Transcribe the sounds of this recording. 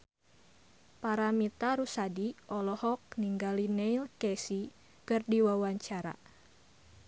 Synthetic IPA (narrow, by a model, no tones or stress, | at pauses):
paɾamit̪aɾusadiɔlɔhɔk̚niŋɡalineilkɛsi | kɨrdiwawaɲt͡ʃaɾa̰